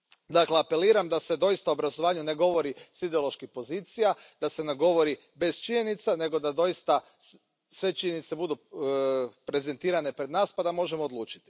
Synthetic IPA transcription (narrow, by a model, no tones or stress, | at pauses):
d̪akleape̞liːɾamd̪ase̞d̪o̞jist̪auobɾazoʋaːɲune̞ɡo̞ʋo̞ɾisid̪eo̞lˠo̞ʃkixpo̞ziːt̪sijad̪̥ase̞neɡo̞ʋo̞ɾi | be̞st͡ʃiɲe̞nit̪sane̞ɡo̞d̪ad̪o̞jist̪a | sʋe̞t͡ʃiɲe̞nit̪se̞bud̪u | pɾe̞ze̞nt̪iːɾane̞pɾe̞d̪naːspad̪amo̞ʒemoːd̪luːt͡ʃi̥t̪i̥